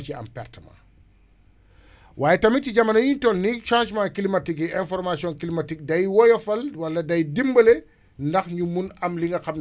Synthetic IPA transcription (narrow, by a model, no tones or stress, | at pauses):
t͡ʃiɐ̰mpɛ̰rtmɐ̰ | waːjɛtɐmitiɟɐmːɐnɐjuntɔlniʃãʃmãkilimatikiɛ̃nfɔɾmasiɔ̃nkilimatik̚dɐjwɔjɔfɐlwɐlːɐdɐjdimbɐle | ndɐxɲumunɐmliŋɡɐxɐm